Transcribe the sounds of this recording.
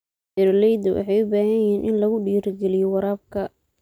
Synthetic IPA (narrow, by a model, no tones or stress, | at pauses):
ɛɾlɛjd̪ɔwʔɑ̰ħɑjʊbaːɦɐjɛɦiːnʔɪnlɐɣʊɖiːrɡɛlɪjɔwɑɾaːb̚kʰɐ